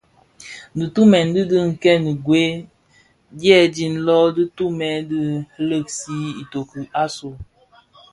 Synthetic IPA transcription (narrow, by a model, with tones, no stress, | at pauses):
dɨ˨tu˦mɛ˨ndɨ˦dɨ˦ŋ̩˨kɛ˦n˨ɡwe˦ | djɛ˦˨di˨nlɔ˦dɨ˦tu˦mɛ˨˦dɨ˦lə˦˨ksi˦i˨to˨kɨ˨a˦so˨